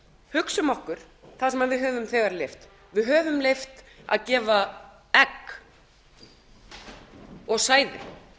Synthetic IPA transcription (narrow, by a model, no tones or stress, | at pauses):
hʏksʏmɔhkʏɾ̥ | θaðsɛmaðvɪðɦœːvʏmθɛɣaɾlejft̪ | vɪðɦœːvʏmlejft̪a̰ðcɛːva | ɛkː | ɔɣsaːjðɪ̰